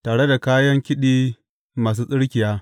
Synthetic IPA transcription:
taː˨ɽe˦da˨kaː˦jɐ˦ŋkʲɪ˦ɗiː˦ | maː˨s̬uː˦sʼɪ˦ɽkʲɪ˨jaː˦

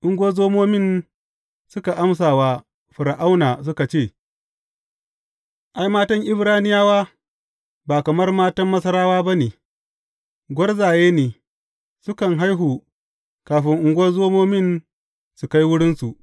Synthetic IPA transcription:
ʔʊ˦ŋɡʷo˦zoː˦moː˦mɪ˦˨n | sʊ˦ka˨ʔa˦ms̬aː˨waː˦ | ɸʊ˨ɾa˨ʔa˦wnaː˨s̬ʊ˦ka˨t͡ʃeː˦˨ | ʔa˦jmaː˦tɐ˦ŋʔɪ˦bɾaː˦nɪ˦jaː˦waː˦ | baː˨kɐ˨mɐ˦rmaː˦tɐ˦mːɐ˦sɐ˦ɾaː˦waː˦ba˦neː˨ | ɡʷɐ˦rzaː˨jeː˦neː˨ | sʊ˦kɐ˨ŋɦa˦jɦuː˨ | kaː˨ɸɪ˦ŋʔʊ˦ŋɡʷɐ˦zoː˦moː˦mɪ˦˨n | su˨ka˦jwʊ˦ɽɪ˦nsu˨ʔ

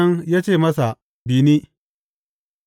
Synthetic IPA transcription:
ɐ˦ŋjaː˦t͡ʃeː˦˨mɐ˦sa˨ | biː˨ni˦

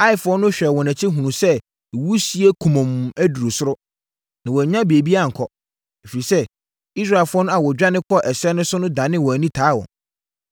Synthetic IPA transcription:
a˦ɪ˨fʊ˦ɔ˦nʊ̃˦ɕᶣɛ˨wɔ̃˨næ̃˨t͡ɕʰɪ˦ɦũ˨nũ˨sɛ˦˨ | wu˦si˦e˦kʰũ˨mɔ̃˨mæ˦du˨ɾo˨sʊ˦ɾʊ˦ | nã˨wɔ˨ɲã˦bi˨e˨bi˦a˦˨ŋ̩˨kʰɔ˨ | e˨fi˨ɾi˨sɛ˦ | i˦sɾa˦˨ɪ˨lfʊ˦ɔ˦nʊ̃˦a˨wɔ˨d͡ʑᶣa˦nɪ̃˦kʰɔ˦ʔɛ˨sɛ˦nʊ̃˦sʊ˦nʊ̃˦dã˨nɪ̃˦wɔ̃˨æ˨nĩ˦tʰaː˨˦wɔ̰̃˨n

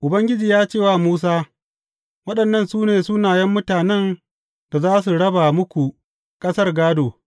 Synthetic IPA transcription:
ʔʊ˨bɐ˦ŋɡʲɪ˦d͡ʒiː˨jaː˦t͡ʃeː˦˨waː˦˨muː˦s̬aː˦ | wɐ˦ɗɐ˨nːɐ˦˨nsuː˦neː˨sʊ˦naː˨jɛ˦mːʊ˦taː˨nɛ˦n | d̥a˨zaː˦s̬u˨ɽɐ˦ba˨mʊ˦kʷu˨ | kʼɐ˦sɐ˦rɡaː˦doː˨

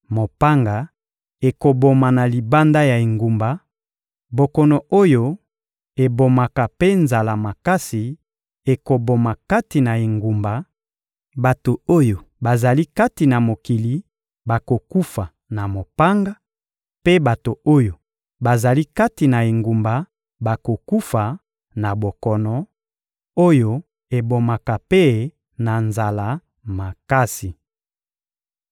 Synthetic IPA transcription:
mo˨pa˦ŋɡa˨ | e˨ko˨bo˨ma˨na˨li˨ba˦nda˦ja˨e˨ŋɡu˨mba˨ | bo˨ko˨no˨o˦jo˦ | e˨bo˨ma˨ka˨pe˦nza˨la˨ma˨ka˦si˨ | e˨ko˨bo˨ma˨ka˦ti˨na˨e˨ŋɡu˨mba˨ | ba˨to˨o˦jo˨ba˨za˨li˦ka˦ti˨na˨mo˨ki˨li˨ | ba˨ko˨ku˦fa˨ | na˨mo˨pa˦ŋɡa˦ | pe˦ba˨to˨o˦jo˨ | ba˨za˨li˦ka˦ti˨na˨e˨ŋɡu˨mba˨ | ba˨ko˨ku˦fa˨ | na˨bo˨kɔ˨nɔ˨ | o˦jo˦ | e˨bo˨ma˨ka˨pe˦ | na˨nza˨la˨˦ | ma˨ka˦si˨

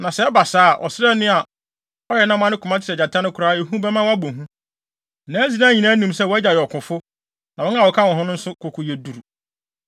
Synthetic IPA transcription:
nã˨sɛ˦ɛ˦ba˨saː˦a˨ʔɔ̰˨sɪ˦ɾɛ˦nɪ̃˦a˨ | ɔ˦jɛ˨nã˦m˦ã˦nɪ̃˦kʰʊ˨mã˦t͡ɕʰɪ˨ɾɛ˨a˨tʰã˦nʊ̃˦kʰʊ˨ɾaː˦e˨ɦũ˦bɛ˦mã˦wa˦bõ˨ɦũ˦˨ | nãː˨˦zi˨nã˦ɲĩ˨nã˦nĩ˨msɛ˦˨wɔ˨æ˦d͡ʑa˨jɔ˨kʰʊ̃˨fʊ˦ | nã˨wɔ̃˦n˦a˦˨wɔ˨kʰa˦˨wɔ̃˨ɦʊ̃˦nʊ̃˦n̩˦sʊ˦kʰʊ˨kʰʊ˨je˨du˨ɾu˨

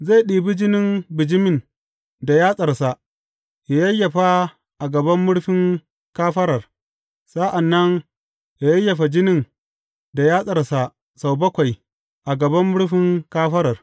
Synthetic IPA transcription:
za˦˨jɗiː˨bi˦d͡ʒɪ˦nɪ˦mbɪ˨d͡ʒɪ˦mɪ˨n | da˨jaː˦sʼɐ˨rsa˨ | ja˨jɐ˦jːɐ˨ɸa˦ | ʔa˨ɡɐ˨bɐ˦mːʊ˦ɽɸɪ˦ŋ | kaː˦ɸɐ˦ɾɐ˨r | sa˦ʔa˨nːɐ˦ŋ | ja˨jɐ˦jːɐ˨ɸa˨d͡ʒɪ˦nɪ˦n | da˨jaː˦sʼɐ˨rsa˨ | sa˨wbɐ˦kʷa˨j | ʔa˨ɡɐ˨bɐ˦mːʊ˦ɽɸɪ˦ŋkaː˦ɸɐ˦ɾɐ˨r

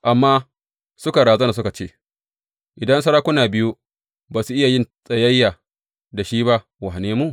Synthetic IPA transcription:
ʔa˨mːaː˦ | sʊ˦ka˨ɽaː˨zɐ˦na˨s̬ʊ˦ka˨t͡ʃeː˦˨ | ʔɪ˨dɐ˦nsɐ˦ɾaː˦kʷʊ˦naː˨bɪ˦ju˦ | baː˨su˨ʔɪ˦ja˨jɪ˦nsʼɐ˨jɐ˦jːa˨ | da˨ʃiː˦ba˦ | wa˨ɦa˨neː˦mu˦

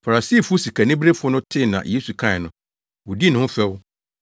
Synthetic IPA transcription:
fa˨ɾa˨si˦˨fʊ˦si˨kʰa˨nɪ̃˦bɾe˦fʊ˦ɔ˦nʊ̃˦tʰɪ˦nã̰˨je˦su˨kʰã˦ɛ˨nʊ̃˨ | wʊ˨di˦nʊ̃˦ʊ̃˦fɛ˦w

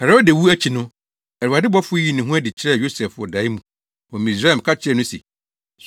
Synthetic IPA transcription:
hɛ˨ɾɔ˦de˨wu˦æ˦t͡ɕʰi˨nʊ̃˦ | ɛ˨ɾa˨dɪ˦bɔ˦fʊ˦ji˦˨nɪ̃˨ɦũ˦æ˦dɪ˨t͡ɕʰɪ˦ɾɛ˦˨jo˦sɛ˨fʊ˦ɔ̰˨da˨i˦mũ˨ | wɔ̃˨mĩ˨s̬ɾa˦˨m˨kʰa˦t͡ɕʰɪ˦ɾɛ˦˨nʊ̃˦sɛ̰˨ | s

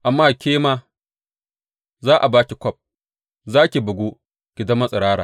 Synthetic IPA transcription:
ʔa˨mːaː˦kʲeː˦maː˦ | zaː˦ʔa˨baː˦kʲi˨kʷɔ˦p̚ | zaː˦kʲi˨bɐ˨ɡʷo˦ | ɡ̥ʲɪ˨da˦mːɐ˦sʼɪ˨ɽaː˦ɽa̰ː˨

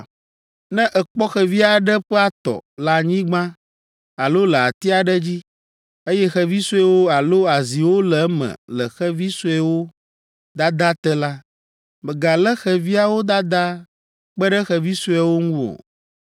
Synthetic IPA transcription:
nɛ̃˦ʔɛ˨k͡pɔ˦xɛ˨vi˦a˨ɖə˦ɸɛ˦a˦t̪ɔ̰˨la˨ɲĩ˦ɡ͡bã˦ | a˨lo˦lə˨a̰˨t̪i˦a˨ɖə˦d͡ʑi˦ | e˦jɛ˦xɛ˦vi˦su˦ɛ˦wo˦a˨lo˦a˨zi˨wo˦lɛ˨˦mə̰̃˨lə˨xɛ˦vi˦su˦ɛ˦wo˦ | d̪a˦d̪a˦t̪ɛ˦la˦ | mə˨ɡa˨lɛ˦xɛ˨vi˦a˦wo˦d̪a˦d̪a˦ | k͡pə˦ɖɛ˦xɛ˨vi˦su˦ɛ˦wo˦ŋũ˦o̰˨

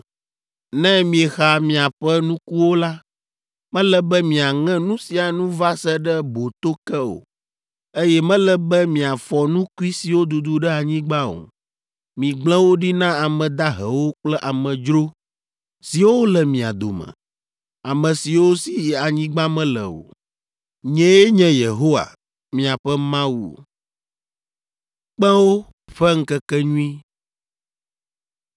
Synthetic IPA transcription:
nɛ̃˦mĩ˨ɛ˨xa˨mĩ˨a˨ɸɛ˦nũ˦ku˦wo˦la˦ | mɛ̃˦lɛ˦bɛ˦mĩ˨a˨ŋɛ̃˦nũ˦si˨a˨nũ˦va˦sɛ˦ɖɛ˦bo˨t̪o˦kɛ˦o̰˨ | e˦jɛ˦mɛ̃˦lɛ˦bɛ˦mĩ˨a˨fɔ˨nũ˦ku˦i˦si˨wo˦d̪u˨d̪u˦ɖɛ˦a˨ɲĩ˦ɡ͡ba˦o̰˨ | mĩ˨ɡ͡blɛ̃˦wo˦ɖi˦nã˦a˨mɛ̃˨d̪a˦ɦɛ̰˨wo˦k͡plɛ˦ʔa˨mɛ̃˨d͡ʒɾo˦ | si˨wo˦lɛ˨mĩ˨a˨d̪o˨mɛ̰̃˨ | a˨mɛ̃˨si˨wo˦si˨a˨ɲĩ˦ɡ͡ba˦mɛ̃˦lɛ̰˨o̰˨ | ɲɛ̃˦je˦ɲɛ̃˦je˨ɦo˦wa̰˨ | mĩ˨a˨ɸɛ˦mã˦wu˨o̰˨ | k͡pɛ˦wo˦ | ɸɛ˦ŋ̩˦kɛ˦kɛ˦ɲũ˦ĩ˦

